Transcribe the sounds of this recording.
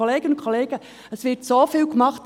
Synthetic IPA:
oleːɡənʊ̃kʰχoleːɡə | əsʋɪɾtsoːfiːlkmɑχt

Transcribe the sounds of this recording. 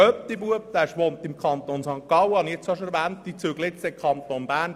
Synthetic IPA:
œp̚t̪ibuəpt̪æʃʋont̪ɪmkχɑnt̪oːnsɑŋkːɑwəɑniet͡soʃəɾʋænt̪ːit͡suəɡlɪtt͡sɛkʰχɑnt̪onbæːn

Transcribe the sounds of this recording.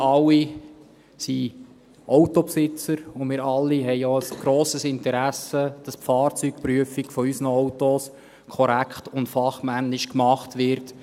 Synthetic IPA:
ɑlːi | si | ʔɔʊtɔpsɪt͡səɾʊmɪːɾɑlːiɦɛɪoəsɡ̥ɾoːsəsɪntəɾæsəd̥ɑspfɑːrt͡sykpryəfikfɔysnəɔwtos | kʰɔɾækʰχtʊntfɑχmænːɪʃkmɑχtʋɪɾt

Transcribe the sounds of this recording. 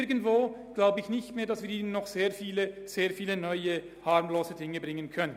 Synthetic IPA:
ɡən̩tv̥oːɡ̥laʊbəɪçnɪçtmeːɐdasviːɐiːnənːɔχz̥eːɐfiːlə | z̥eːɐfiːlənɔʏə | haʁmloːzədɪŋəbʁɪŋənkʰœnə

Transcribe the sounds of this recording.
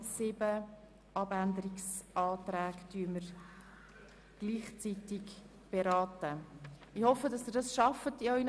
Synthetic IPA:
sɪbə | ʔɑbændəɾɪksʔɑːtɾæːktyːəməɾ | ɡ̥liːχt͡sitɪk | b̥eɾɑːtə | ɪhɔfədɑsɪdɑsʃɑfətiɔʏn

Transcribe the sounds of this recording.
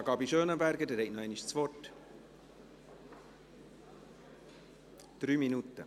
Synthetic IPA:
ɡɑːbiʃøːnəbæɾɡədɛɾhɛɪknɔɛɪniʃt͡sʋɔrt | d̪̥ɾyːminut̪ə̰

